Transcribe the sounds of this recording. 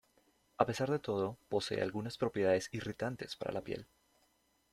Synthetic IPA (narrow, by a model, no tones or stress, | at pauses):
ape̞saɾðe̞t̪o̞ð̞o̞po̞se̞̰ḛa̰lɣunaspɾo̞pjeðaðe̞sirit̪ant̪e̞spaɾa̰lapje̞̰l